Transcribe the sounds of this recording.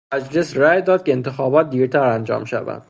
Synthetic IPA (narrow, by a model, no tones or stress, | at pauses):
æd͡ʒle̞sræjd̪ɒːd̪̥̚cʰe̞ːnt̪ʰe̞xɒːbɒːt̪̚d̪iːɾt̪ʰæɾænd͡ʒɒ̰ːmʃæ̰væ̰nd̪̥